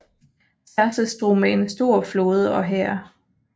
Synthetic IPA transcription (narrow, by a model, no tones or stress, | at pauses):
sʰæɐsəsd̥ʁomæe̝nsd̥o̝ɐ̰flo̝ːð̞̩ˠəɒ̽ɦɛɐ̰